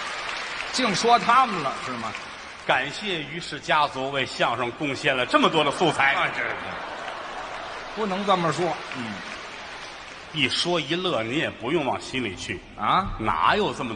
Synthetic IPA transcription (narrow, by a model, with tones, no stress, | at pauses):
t͡ɕi˥˩ŋʂwɔ˥t̪ʰa˥mə˨nlə˩ʂɻ̩˥˩mɐ˩ | ka˨˩nɕjɛ˥˩y˧˥ʂɻ̩˥˩t͡ɕja˥t͡su˧˥we˥˧ɪɕjɑ˥˧ŋʂɤ˥˧˩ŋkʊ˥˧ŋɕjɛ˥˩nlə˩ʈ͡ʂɤ˥˩mə˩t̪̬wɔ˥d̪ə˧su˥˧t͡sʰa˧˥ɪ˧˥˧ḛ˥˩ | pu˥˩nɤ˧˥ŋt͡sə˥˩nmə˩ʂwɔ˥n̩˥˩ | pi˨˩ʂwɔ˥i˧˥lɤ˥˩ni˧˥jɛ˨˩pu˧˥jʊ˥˧ŋwɑ˥˩ŋɕi˥nlḭ˨˩t͡ɕʰy˥˩ | ə˧˥na̰˧˥jo˨˩ʊʈ͡ʂə˥˩mə˩